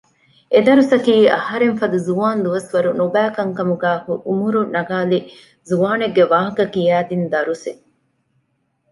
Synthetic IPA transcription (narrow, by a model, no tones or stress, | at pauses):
ed̪ɐɾusɐkiːɐhɐɾeɱfɐd̪uzuʋaːnd̪uʋɐsʋɐɾunobæːkɐŋkɐmuɡæːhuʔumuɾunɐɡaːli | zuʋaːneɡːeʋaːɦɐkɐkijæːd̪ind̪ɐɾuse